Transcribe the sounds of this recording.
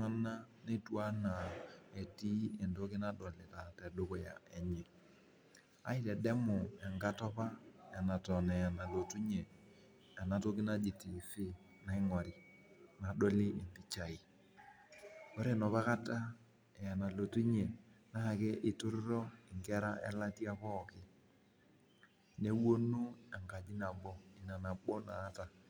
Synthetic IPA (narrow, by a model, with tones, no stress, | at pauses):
a˦na˦ne˦twa˦na˨e˨ti˦ɛ˨ndo˦kɪ˦na˦dɔ˨lɪ˨ta˨tɛ˨dʊ˦kʊ˨ja̰˨ɛ˨ɲɛ˨ | a̰˦i˦tɛ˨dɛ˦mʊ˨ɛ˨ŋɡa˦tɔ˦pa˦ɛ˨na˨tɔ˨nɛ˨a˨na˨lo˨tu˦ɲe˨ | a˨na˨to˦kɪ˦na˦d͡ʒi˨ti˨fɪ˦ | na˨i˦ŋɔ˨ɾi˨ | na˨ɗo˦li˦ɪ˨mpi˦t͡ʃa˨i˨ | ko˦ɾe˦˨nɔ˨pa˦ka˦ta˦ | ɛ˨ja˨na˨lo˨tu˦ɲɛ˨na˦ha˨kɛ˦ʔɪ˨tʊ˦ɾɾɔ˦ɪ˨ŋkɛ˦ɾa˦ʔɛ̰˦la˦ti˦a˦pɔː˦˨kɪ˦ | ne˦wo˦nu˦a˨ŋka˨d͡ʒi˦na˨bɔ˦i˨na˨na˨bɔ˦naː˨˦ta˨